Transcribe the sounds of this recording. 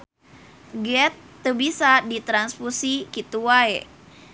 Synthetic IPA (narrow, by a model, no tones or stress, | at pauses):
ɡɛt̪ːəbisadit̪ɾansfusikit̪uwae